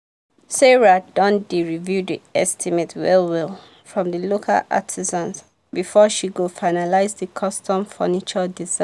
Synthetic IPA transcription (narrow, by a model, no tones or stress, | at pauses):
sɛɹadɔ̃ndiɹivjudiɛstʰimetwɛ̰lˠwɪlˠ | fɹɔ̃mðəlokʰa̰lʔa̰tʰizãnz | bifɔʃiɡofaɪnalaɪzðəkʰɔstʰɔ̃mfɜ̰nit͡ʃɔdiza